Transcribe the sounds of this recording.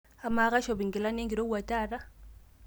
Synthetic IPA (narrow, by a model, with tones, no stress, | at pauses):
a˨ma˨˦ɣa˦ʃɔ˨βi˨ŋɡi˨la˦ne˦ŋɡi˨ɾo˦wa˨ta˦˨ɾa˦